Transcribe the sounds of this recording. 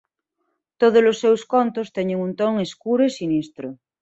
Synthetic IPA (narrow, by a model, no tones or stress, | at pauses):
t̪oð̞ozlosːewskont̪ost̪eɲeŋunt̪oŋeskuɾoesinist̪ɾo